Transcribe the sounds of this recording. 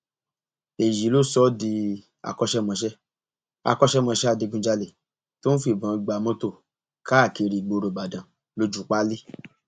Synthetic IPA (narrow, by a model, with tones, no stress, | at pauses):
e˨ji˨˦lo˦˨sɔ˦di˧ | a̰˧˨kɔ˧ʃɛ˦mɔ̃˧ʃ̬ɛ˦ | a̰˧˨kɔ˧ʃɛ˦mɔ̃˧ʃɛ˦a˧de˧ɡ͡bũ˧˦d͡ʒa˧le˨ | to˦n̩˦fi˦˨bã˨˦˧ɡ͡ba˨˦mɔ̃˦to˦˨ | ka˦˨ke˧ɾi˨ɡ͡bo˧ɾo˨ɡ͡ba˨dã˨ | lo˧d͡ʒu˨˦k͡pa˦li˦